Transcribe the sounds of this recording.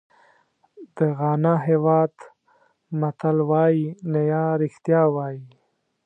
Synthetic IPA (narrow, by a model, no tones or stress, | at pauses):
d̪̥əɣɑnɑɦewɑd̪ | mat̪alwɑjinajɑɾɪxt̪jɑwɑji